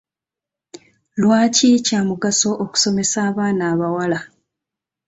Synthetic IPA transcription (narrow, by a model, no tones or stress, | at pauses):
lwaːcicamuɡaso̞ʔoku̥so̞me̞saːβaːnaːβawala